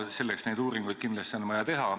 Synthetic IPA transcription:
se̞lːeksne̞jd̪uːɾiŋɡujd̪t̪̚kind̪lɑst̪ionmɑjɑt̪e̞ɦɑ

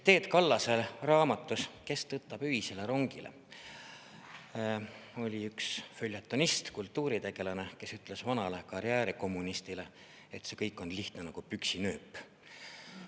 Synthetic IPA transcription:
t̪e̞ːt̪kɑlːɑselrɑːmɑt̪ːˑuske̞st̪ɤt̪ːˑɑb̥yɦise̞le̞ɾo̞ŋɡ̥ilḛ | o̞lʲiyksfølʲjɑt̪ˑːonist̪kult̪ːˑuːɾit̪e̞ɡ̥e̞lɑne̞ke̞syt̪ːˑle̞svɑnɑlekɑɾiæːɾiko̞mːunist̪ile̞ | et̪se̞kɤjkːˑo̞nliht̪nenɑɡ̥upyksinø̞ːpː

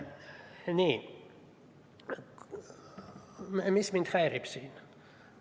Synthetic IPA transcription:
niːn | mmismint̪hæiripsiːn

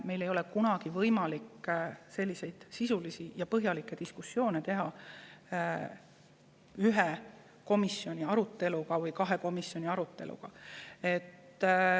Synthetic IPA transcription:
me̞jle̞jo̞lekunɑɡ̥ivɤjmɑlikːse̞lːise̞jd̪̥sisulisijɑpɤɦjɑlikːˑed̪iskusːjo̞ːne̞t̪e̞ɦɑ | yɦe | ko̞misjo̞nʲiɑɾut̪ːˑe̞luɡɑvɯjkɑɦeko̞misːjo̞nʲiɑɾut̪ːˑe̞lʔṵɡ̥ɑe̞t̪ːˑ

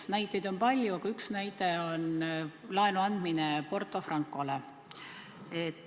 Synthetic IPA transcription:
næjt̪ːˑejd̪̥o̞npɑlʲjuɑɡ̥ɑyksnæjt̪ˑe̞onlɑenuɑnd̪̥minepo̞rt̪ːˑo̞frɑŋkːˑole | et̪ːˑ

